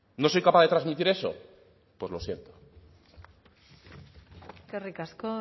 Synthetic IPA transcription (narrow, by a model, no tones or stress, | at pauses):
no̞sojkapaðe̞t̪ɾazmit̪iɾe̞so̰ | pwe̞zlo̞sje̞nt̪o | kerikasko